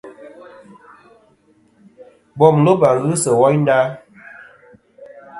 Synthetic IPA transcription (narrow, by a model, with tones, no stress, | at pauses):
bɔ˨mlo˦ba˨ɣɨ˦sə˨wɔ˦jn˦da˦